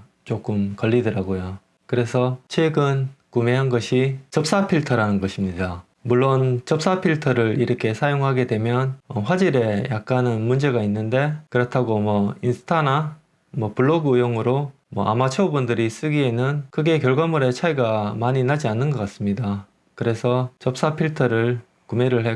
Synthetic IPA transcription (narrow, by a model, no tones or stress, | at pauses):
t͡ɕ͈ok͈ɯmkʌɭːidɯɾaɡojo | kɯɾe̞sʰʌt͡ɕʰweɡɯnkume̞ɦanɡʌɕʰit͡ɕʌp̚s͈apʰiɭtʰʌɾanɯnɡʌɕʰimɲida | muɭːont͡ɕʌp̚s͈apʰiɭtʰʌɾɯɾiɾʌkʰe̞sʰajoŋɦaɡe̞dwe̞mjʌnʌɸwad͡ʑiɾe̞jak̚k͈anɯnmund͡ʑe̞ɡainːɯnde̞kɯɾʌtʰaɡomwʌinsʰɯ̥tʰana | mwʌpuɭːoɡɯjoŋɯɾo | mwʌʔa̰mat͡ɕʰoubundɯɾis͈ɯɡie̞nɯnkɯɡe̞kjʌɭɡʌmuɾe̞t͡ɕʰaiɡamaɲinad͡ʑianːɯnɡʌk͈as͈ɯmɲida | kɯɾe̞sʰʌt͡ɕʌp̚s͈apʰiɭtʰʌɾɯɭ | kume̞ɾɯɭɦe